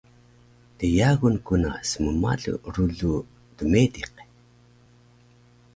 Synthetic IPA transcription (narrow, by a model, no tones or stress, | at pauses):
təjaɣunkuna̰səməma̰ɮṵɾuɮu | dəmediq